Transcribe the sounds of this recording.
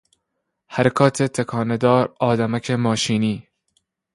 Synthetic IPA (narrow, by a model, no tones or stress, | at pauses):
hæɾækʰɒːt̪ʰet̪ʰekʰɒːned̪ɒːɾɒːd̪æmæcʰemɒːʃiːniː